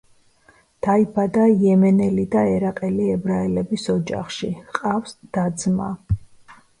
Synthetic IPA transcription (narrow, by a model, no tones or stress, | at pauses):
d̪̥aibad̪aijɛmɛnɛlid̪aɛɾaqʼɛliɛbɾaɛlɛbisɔd͡ʒa̰χʃḭqʼafsd̪̥ad̪zma̰